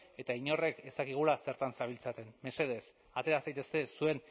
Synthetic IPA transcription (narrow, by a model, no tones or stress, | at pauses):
e̞t̪aiɲo̞re̞ke̞st̪akiɣ̞ulase̞ɾt̪ansaβ̞ilt͡sat̪e̞nme̞se̞ð̞e̞s | at̪e̞ɾasajt̪e̞ske̞sue̞n